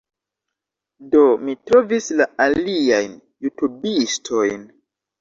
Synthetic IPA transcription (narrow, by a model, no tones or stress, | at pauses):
do̞mitɾovislaaliajn | jutubistʰo̞jn